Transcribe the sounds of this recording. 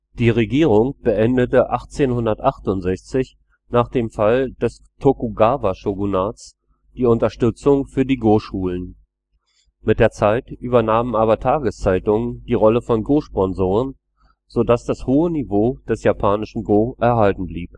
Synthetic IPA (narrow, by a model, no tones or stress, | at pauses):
d̥iːʁeɡiːʁʊŋb̥əʔɛndətəʔaχt͡seːnhʊndɐtʔaχtʊntz̥ɛçt͡sɪç | naːχd̥eːmfald̥ɛs | tʰokuɡaːvaʃoɡunaːt͡s | d̥iːʊntɐʃtʏt͡sʊŋfyːɐdiːɡoːʃuːlən | mɪt̚d̥eːɐt͡saɪtʔyːbɐnaːmənʔaːβɐtʰaːɡəst͡saɪtʊŋənd̥iːʁɔləfɔnɡoːʃpɔnzoːʁən | z̥odasd̥ashoːənivoːd̥ɛsjapʰaːnɪʃn̩ɡoːʔɛɐɦaltn̩bliːp